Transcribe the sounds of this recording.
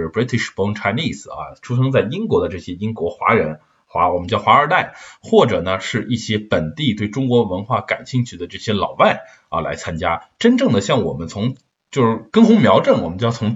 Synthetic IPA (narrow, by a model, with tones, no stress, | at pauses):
pɹi˧˥t̪ʰi˥˩ʂpɔ˥ŋʈ͡ʂʰa˧˥ɪni˥˩s̩˩ɐ̰˧ʈ͡ʂʰu˥ʂɤ˥ŋt͡sa˥˩ɪi˥ŋkwɔ˧˥d̪ə˧ʈ͡ʂɤ˥˩ɕjɛ˥i˥ŋkwɔ˧˥xwa̰˧˥ɻə˧˥n | xwa˧˥wɔ˨˩mə˦nt͡ɕjɑ˥˩ʊxwa˧˥ə˞˨˩t̪a˥˩ɪxwɔ˥˩ʈ͡ʂɤ˨˩nə˧ʂɻ̩˥˧ʔi˥˩ɕjɛ˥pə˨˩nt̪i˥˩t̪we˥˩ɪʈ͡ʂʊ˥ŋkwɔ˧˥wə˧˥nxwa˥˩ka̰˨˩nɕi˥˧ŋt͡ɕʰy˥˩d̪ə˩ʈ͡ʂɤ˥˩ɕjɛ˥lɑ̰˨˩ʊwa˥˩ɪ | ɐ̰˧˩la̰˧˥ɪt͡sʰa˥nt͡ɕja˥ʈ͡ʂə˥nʈ͡ʂɤ˥˩ŋd̪ə˩ɕjɑ˥˩ŋwɔ̰˨˩mə˦nt͡sʰʊ˧˥ŋ | t͡ɕjo˥˧ʊʂɻ̩˥˩kə˥ŋxʊ˧˥ŋmjɑ˧˥ʊʈ͡ʂə˥˩nwɔ˨˩mə˦nt͡ɕʊt͡sʰʊ˧˥ŋ